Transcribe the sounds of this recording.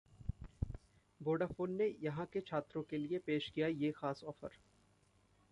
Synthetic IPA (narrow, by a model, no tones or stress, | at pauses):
boːɖafoːnːejɐɦãket͡ʃʰaːt̪ɾõkeliepeːʃkijajexaːsɔːfə̰ɾ